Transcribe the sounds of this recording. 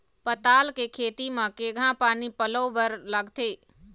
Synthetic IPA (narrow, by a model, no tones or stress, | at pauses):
pət̪aːlkekʰeːt̪imə̃keːɡʱãpaːnipəlobəɾləɡt̪ʰeː